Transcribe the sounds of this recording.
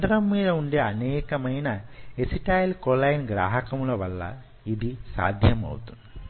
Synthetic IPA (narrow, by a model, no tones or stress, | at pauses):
ɐɖɐɾɐmːiːɻɐuɳɖeɐneːkːɐmɐjnɐesiʈːaːjlkolɐjinɡɾa̰ːɦɐkːɐmuɭɐʋɐɭːɐ̰ | iðisa̰ːd̪ʱjɐmɐ̰ʋut̪ːunːɐ